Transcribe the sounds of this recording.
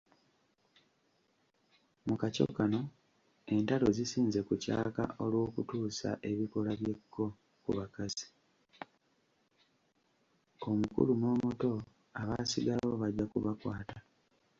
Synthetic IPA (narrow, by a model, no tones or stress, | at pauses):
mukaco̞̰kano̞ | e̞ntalo̞zisiːnze̞kuca̰ːka̰o̞lwo̞ːkutuːsa̰ʔe̞βiko̞laβje̞kʰːo̞ | kṵβakazi | o̞mukṵlumoːmoto̞ | aβaːsiɡaloβaɟːakuβakwa̰ːta